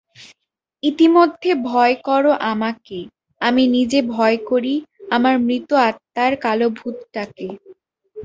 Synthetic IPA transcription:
it̪imod̪ʱːebʱɔekɔɾoʔamake | aminid͡ʑebʱɔekoɾiamaɾmɾit̪oat̪ːaɾkalobʱut̪ʈake

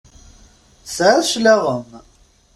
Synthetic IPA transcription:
sʕʃlæʁəm

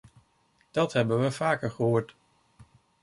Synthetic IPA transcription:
d̥ɑtɦɛbənʋəvaːkəɹχəɦoːɹt

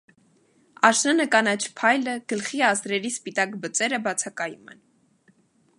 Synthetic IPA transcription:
ɑʃnənəkɑnɑt͡ʃʰpʰɑjləɡ̥əlχiɑsɾɛɾispit̪ɑkbət͡sɛɾəbɑt͡sʰɑkɑjumɛ̰n

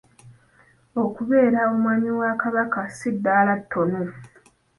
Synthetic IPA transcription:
o̞kuβe̞ːɾaomwaɲiwakaβakasidːaːlatʰːo̞no

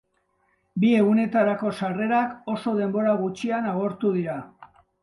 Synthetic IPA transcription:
bie̞ɣune̞t̪aɾako̞sare̞ɾako̞so̞ðe̞mbo̞ɾaɣut͡ʃianaɣo̞ɾt̪uð̞iɾa

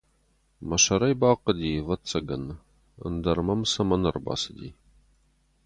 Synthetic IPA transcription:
mɐʃɐɾɐjbɑːqəd̪iːvɐt͡sʰʼːɐɡɐn | ə̰nd̪ɐrmɐmsɐmɐnɨrbɑ̰ːsɨd̪ḭː

